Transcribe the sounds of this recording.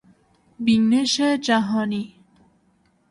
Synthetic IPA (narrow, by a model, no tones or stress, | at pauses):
bineʃed͡ʒæɦɔːni